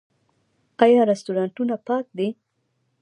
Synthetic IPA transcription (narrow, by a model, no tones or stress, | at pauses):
qajɑɾɪst̪uɾɑɳʈunapɑk̚d̪i